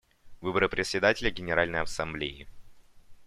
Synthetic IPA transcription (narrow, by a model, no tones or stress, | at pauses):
vɨbəɾɨpɾʲɪt̪sʲːɪd̪atʲɪlʲəɡʲɪnʲɪɾalʲnəjɐsɐmblʲeɪ̰